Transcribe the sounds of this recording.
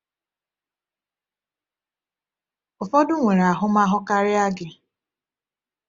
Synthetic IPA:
ʊ˨fɔ˦dʊ˦ŋʷe˨ɾa˨ɦʊ˦ma˦ɦʊ˦ka˦ɾɪ˦a˦ɡɪ˨

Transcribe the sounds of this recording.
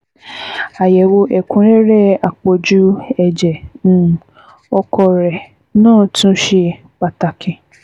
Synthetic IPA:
a˨jɛ˨wo˧ʔɛ˨kũ˨˦ɾɛ˦ɾɛ˦˨a˨k͡po˨d͡ʒu˨˦ɛ˨d͡ʒɛ̃˨ | ɔ˧kʰɔ˧ɾɛ˨ | nãː˦˨tũ˦ʃe˧ | k͡pa˨ta˨kʰɛ̃˨

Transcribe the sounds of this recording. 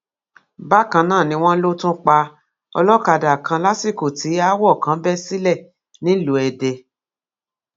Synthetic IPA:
ba˦˨kã˧nãː˦˨nĩ˧w̃ɔ̃˦n̩˦lo˦tũ˦k͡pa˧ | ɔ̰˧lɔ˦˨ka˧˨da˨kʰã˧la˦si˦˨ko˨tʰi˨˦a˦wɔ˦˨kã˨˦bɛ˦si˦lɛ˦˨ | nĩ˦lu˨˦ɛ˨dɛ˧

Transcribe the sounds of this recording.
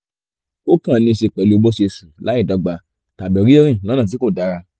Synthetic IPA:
o˦kã˦˨nĩ˧˨ʃe˧k͡pɛ˨lo˧bɔ˦ʃe˧sũ˨la˨˦i˦˨dɔ˨˧ɡ͡ba˧ | ta˨bɛ˨ɾi˦e˦ɾ̃ĩ˦˨lɔ˨˦nã˦˨t̬i˨˦ko˦˨da˨˦ɾa˧

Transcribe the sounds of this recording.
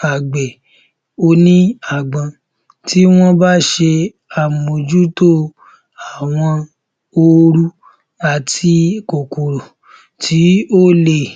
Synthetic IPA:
a˨ɡ͡bɛ˨ | o˧nĩ˦a˦˨ɡ͡bã˨ | tʰi˨˦w̃ɔ̃˦ba˦ʃe˧ | a˨mo˨d͡ʒu˦to˦ | a˨w̃ɔ̃˧ | o˧ɾu˦ | a˨tʰi˧ko˨ko˨ɾo˨ | tʰi˨˦o˦˨le˧˨

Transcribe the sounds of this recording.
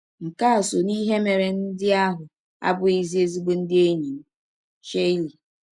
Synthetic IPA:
ŋ̩˨ka˦a˨so˨ni˦ɦe˦me˨ɾe˨n̩˦dɪ˦a˦ɦʊ˨ | a̰˦bʊ˨i˦zi˦e˦zi˦ɡ͡be˦n̩˦dɪ˦e˦ɲi˨m̩˦ | ʃe˦i˦li˨

